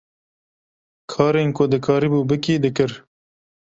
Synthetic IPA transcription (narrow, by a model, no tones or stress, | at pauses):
kʰɑːɾeːnkʊd̪ɨkʰɑːɾiːbuːbɨkiːd̪ɨkɨɾ